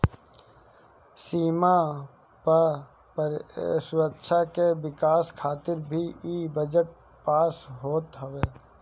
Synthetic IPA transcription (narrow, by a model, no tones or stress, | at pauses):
siːma | pə | psʊɾəkːʃʰakeʋɪkaːskʰaːt̪ɪɾbʱiibəd͡ʒəʈ̚ | paːsɦoːt̪ɦəʋeː